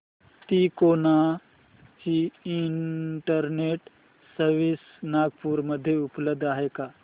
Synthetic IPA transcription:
t̪iːkoːnaː | hiiɳʈəɾneːʈ | səɾʋis | naːɡ̚puːɾmɐd̪ʱːjeʊpləb̚d̪aːɦeːkaː

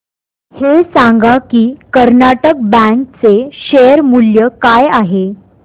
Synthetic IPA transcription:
hesaŋɡakiːkəɾnaʈək̚bɛ̃ŋk̚t͡seɕejəɾmuljəkajaɦe

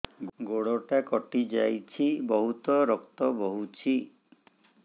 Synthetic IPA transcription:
ɡoɽɔʈakɔʈid͡ʒajt͡ʃʰibɔɦut̪ɔɾɔkt̪ɔbɔɦut͡ʃʰi

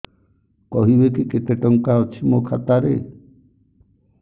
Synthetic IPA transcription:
kɔɦibekiket̪eʈɔŋkaɦɔt͡ʃʰimokʰat̪aɾḛ

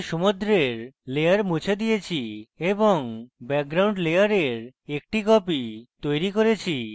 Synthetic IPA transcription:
ʃomod̪ɾeɾlejaɾmut͡ɕʰed̪ijet͡ɕʰieboŋbɛk̚ɡɾawɳɖlejaɾeɾek̚ʈikɔpit̪ojɾikoɾet͡ɕʰi

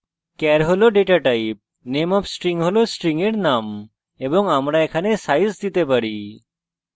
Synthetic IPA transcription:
kɛɾɦoloɖeʈaʈajp̚ | nemɔpsʈɾiŋɦolosʈɾiŋeɽnam | ebɔŋamɾaekʰanesajzd̪it̪epaɽi

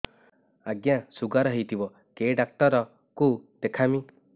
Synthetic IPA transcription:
aɡjasuɡaɾɔɦejt̪ʰibɔ | keɖak̚ʈɔɾɔ | kud̪̥ekʰami

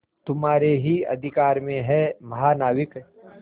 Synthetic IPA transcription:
t̪ʊmaːɾeɦiɐ̰d̪ʱɪkaːɾmẽɦɛmɐɦaːnaːwɪk

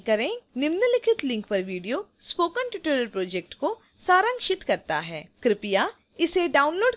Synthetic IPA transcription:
kɐɾẽnɪmnəlɪkʰɪt̪lɪ̃ŋkpɐɾʋiːɖijospoːkənʈɪʈeɾəɾpɾoːd͡ʒek̚ʈko | saːɾə̃ŋkʃɪt̪kɐɾt̪a̰ɦɛːkɾɪpija | ɪseɖaːʊnloːɖ

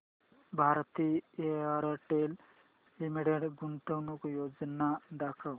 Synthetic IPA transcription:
bʱaɾt̪ieaɾəʈel | imiɽeɖɡunʈəwnukjod͡ʒnad̪akʰəw

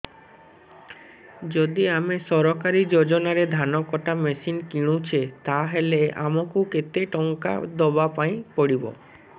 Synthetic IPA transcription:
d͡ʒod̪iamesɔɾɔkaɾid͡ʒod͡ʒonaɾed̪ʱanɔkɔʈamesinkiɽ̃ut͡ɕʰet̪aɦelea̰mokuket̪eʈɔŋka̰d̪ɔbapaĩpɔɽibo̰

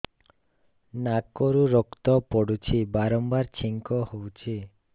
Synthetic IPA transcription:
nakoɾuɾɔkt̪ɔpɔɽut͡ʃʰibaɾɔmbaɾt͡ʃʰiŋkɔhowt͡ʃʰi

